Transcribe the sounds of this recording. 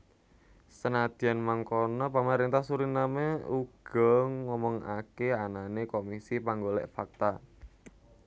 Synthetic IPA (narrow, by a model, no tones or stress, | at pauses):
sənad̪̥i̤anmaŋkonɔpamaɾint̪ahsuɾinameuɡ̥ɔŋŋɔmɔŋa̰keananekomisipaŋɡolɛ̰ʔfak̚t̪a